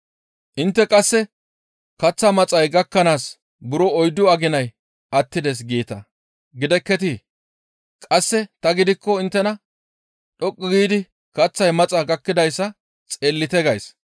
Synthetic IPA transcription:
ʔɪnt̪ːɛkʼɐsːɛ | kɐt͡sːɐmɐt͡sʼɐjɡɐkːɐnaːs | bʊɾɔɔjd̪ʊɐɡɪnɐj | ɐt̪ːɪd̪ɛs̬ɡiːt̪ɐ | ɡɪd̪ɛkːɛt̪i | kʼɐsːɛt̪ɐɡɪd̪ɪkːɔɪnt̪ːɛnɐ | ɗɔkʼːɪɡiːd̪ɪ | kɐt͡sːɐjmɐt͡sʼɐɡɐkːɪd̪ɐjsːɐ | t͡sʼeːlːɪt̪ɛɡɐjs

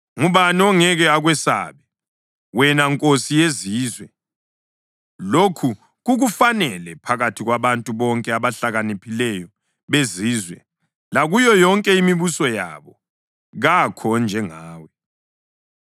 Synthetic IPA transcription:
ŋuβanɔŋɛɣɛaɣwɛsa̰ːβɛ | wɛnaŋkʼosijeziːzwɛ | lokʰu | ɣuɣufanɛlɛpʰaɣatʰiɣwaβantʼuβɔŋkʼɛaβaɬaɣanipʰilɛjɔ | βeziːzwɛ | laɣujɔjɔŋkʼɛimiβusɔja̰βɔ | ɣakʰɔnd͡ʒʱɛŋaːwɛ

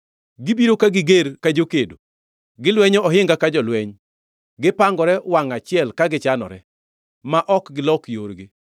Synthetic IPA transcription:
ɡɪbiɾokaɡɪɡeɾkad͡ʒokedo | ɡɪlwɛɲɔʔɔɦɪŋɡakad͡ʒɔlwɛɲ | ɡɪpaŋɡɔɾɛwaŋat͡ʃɪɛlkaɡɪt͡ʃanɔ̰ɾɛ | maʔɔkɡɪlɔkjoɾɡɪ

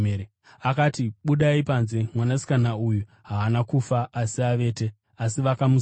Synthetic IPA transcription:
eɾe | akatiɓuɗaipanzemwanasi̥kanauju | ɦaanakufaːsiaʋe̞ːte̞ | asiʋakamu

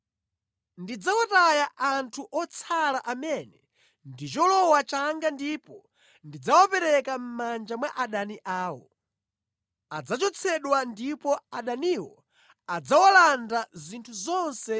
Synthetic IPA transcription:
ndid͡zawɔtajaʔantʰuʔɔt͡sʰalaʔamɛnɛ | ndit͡ʃɔlɔwat͡ʃaŋɡandipɔ | ndid͡zawɔpɛɾɛkam̩mand͡ʒamwaʔaɗaniʔaːwɔ̰ | ad͡zat͡ʃɔt͡sʰɛɗwandipɔaɗaniwɔ | ad͡zawalandazintʰuzɔnsɛ

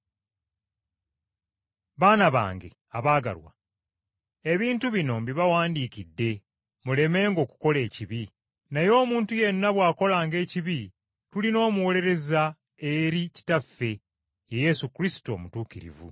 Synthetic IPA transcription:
βaːnaβa̰ːŋɡe̞̰ | aβaːɡa̰lwa̰ | e̞βiːntuβino̞mbiβawaːndiːkidːe̞ | mule̞me̞ːŋɡo̞ːku̥ko̞le̞ːciβi | najo̞ːmuːntuje̞nːaβwaːko̞laːŋɡe̞ːciβi | tulino̞ːmuwo̞le̞ɾe̞za | e̞ɾici̥tafːe̞ | eje̞sukɾisi̥to̞̰ːmutuːkiɾḭvṵ

